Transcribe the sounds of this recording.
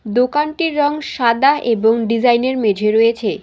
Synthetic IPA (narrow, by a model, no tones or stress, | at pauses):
d̪okanʈiɾːɔŋʃad̪aeboŋɖid͡ʑajneɾmed͡ʑʱeɾoet͡ɕʰe